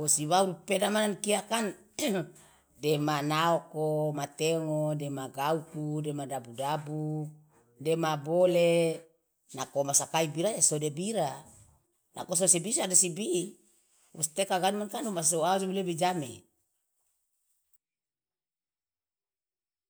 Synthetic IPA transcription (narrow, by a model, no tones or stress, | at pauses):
wosiwauɾupedamanankiakan | demanaokomat̪eŋodemaɡaukudemadabudabu | demabole | nakomasakaibiɾaasodebiɾa | nʔa̰kososebisadosibiʔ | wo̰st̪ekaɡanmankanumasoaud͡ʒoulebid͡ʒamḛ